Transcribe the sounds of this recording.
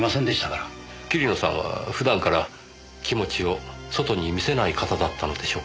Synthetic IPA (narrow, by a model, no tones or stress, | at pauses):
masẽnd̪eɕt̪akaɾa | kʲiɾʲino̞sã̰βa̰ɸɯ̟d̪ãŋkaɾa | kʲimo̞t͡ɕio̞so̞t̪o̞ɲ̟imʲise̞naikat̪ad̪at̪ːano̞d̪e̞ɕo̞ː